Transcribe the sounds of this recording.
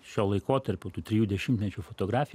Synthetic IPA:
ʃʲoːlˠɐɪkoːt̪ɐɾʲpʲʊt̪uːt̪ʲɾʲɪjuːd̪ʲɛʃʲɪmt̪ʲmʲɛt͡ʃʲuːfot̪oːɡɾɑːfʲɪj

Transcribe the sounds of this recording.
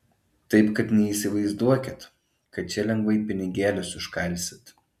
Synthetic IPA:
t̪ɐɪpkɐt̪nʲɛiːˑsʲɪʋɐɪzd̪uɔkʲɪt̪ | kɐt̪̚t͡ʃʲɛlʲɛŋɡʋɐɪpʲɪnʲɪɡʲæːlʲʊsʊʃkɐlʲˑsʲɪt̪

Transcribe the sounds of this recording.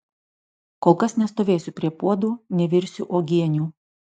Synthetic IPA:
koːlˠkɐsnʲɛst̪oːʋʲeːsʲʊpʲɾʲiɛpuɔd̪uːnʲɛʋʲɪɾʲsʲʊʔoːɡʲiɛnʲuː

